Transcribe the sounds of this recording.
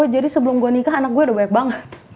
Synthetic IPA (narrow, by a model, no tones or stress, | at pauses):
ɛd͡ʒadisəbəlʊmɡonikaanak̚ɡuɛdahbaɲak̚baŋət̪̚